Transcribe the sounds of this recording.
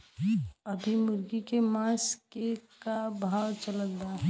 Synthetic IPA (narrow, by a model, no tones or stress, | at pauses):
əbʱimʊɾɡikemãskekabʱaːwt͡ʃələk̚d̪aɦɛ